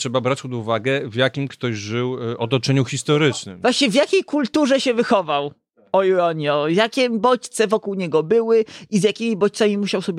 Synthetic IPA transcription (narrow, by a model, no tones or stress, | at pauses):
tʂɛbabɾat͡ɕʲpɔd̪uvaɡɛvjakʲimkt̪ɔʑʐɘwɔt̪ɔt͡ʂɛɲuxʲist̪ɔɾɘt͡ʂnɘ̰mvwaɕɲɛvʲjakʲejkult̪uʐɛɕɛvɘxɔvaw | ɔjuɾɔɲiɔjakʲɛbɔt͡ɕt̪sɛvɔkuwɲɛɡɔbɘwɘizjakʲimʲibɔt͡ɕt̪samʲimuɕawsɔbʲ